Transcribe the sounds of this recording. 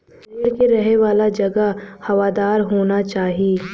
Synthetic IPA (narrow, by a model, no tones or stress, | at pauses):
eːɾkeɾɐɦeʋaːlad͡ʒɐɡəhɐʋaːd̪aːɾɦoːnat͡ʃaːɦieː